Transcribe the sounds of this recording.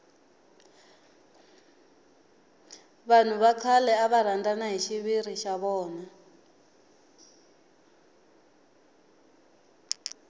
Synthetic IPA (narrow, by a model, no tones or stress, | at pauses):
βan̤uβaǀʰalɛaβaɾ̤andanaɦiʃiβiɾiʃaβɔːna